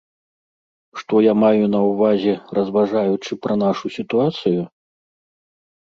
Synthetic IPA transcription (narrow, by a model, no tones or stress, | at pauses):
ʂt̪ɔjamajunɐwvazʲɛrɐzvaʐajut͡ʂɨpɾɐnaʂusʲit̪uat̪sɨju